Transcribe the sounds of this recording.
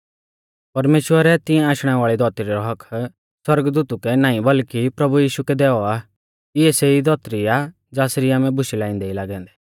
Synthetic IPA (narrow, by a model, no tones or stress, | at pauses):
pɐɾmeːʃwəɾɛt̪ɪ̃ɛ̃aːʃɽ̃ɛʋaːɭid̪ɔːt̪ɾiɾɔɦɐkʰ | swɐɾɡd̪uːt̪ukɛnaːĩbɐlkipɾɐbujiːʃukɛd̪ɛːɔaː | ɪɛseid̪ɔːt̪ɾia | d͡ʒaːsɾiaːmɛ̃bʊʃilaːĩːnd̪ɛilaːɡɛ̃ːnd̪ɛ̥ː